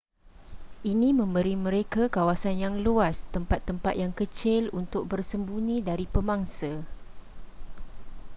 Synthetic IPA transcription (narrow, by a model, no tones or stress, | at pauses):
ʔinĩmə̃mbəɾimə̃ɾekakawasanjaŋluast̪əmpat̪ːəmpat̪̚jaŋkət͡ʃɪlunt̪ʊk̚bərsəmbunĩdaɾipəmaŋsa